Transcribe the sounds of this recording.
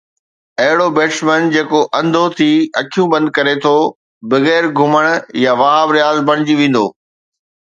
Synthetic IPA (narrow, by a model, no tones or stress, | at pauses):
ɐɦɪɽobeːʈsmənd͡ʑeːkoʔɐ̃nd̪ʱot̪ʰiːɐkʰijũbɐ̃nd̪̚kɐɾet̪ʰo | bɐɣɛːɾɡʱʊməɽ̃jaʋaːɦabɾɪjaːzbɐɽ̃ɪd͡ʑiʋẽːn̆d̪o̰ː